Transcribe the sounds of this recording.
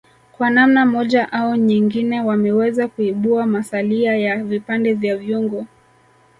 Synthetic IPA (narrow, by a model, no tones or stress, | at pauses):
kwanamnamɔʄaʔaɔɲiŋɡinɛwamɛwɛzakuiɓuamasaliajavipandɛvjavjuŋɡɔ